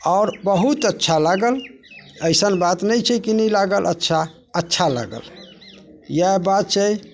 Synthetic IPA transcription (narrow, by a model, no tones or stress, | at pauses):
ɔʊɾbəɦut̪ətːʃʰalaɡəl | əjsənbat̪nəjt͡ʃʰɛkinilaɡəlʔə̰tːʃʰa | ətːʃʰala̰ɡə̰l | jabat̪̚t͡ʃʰə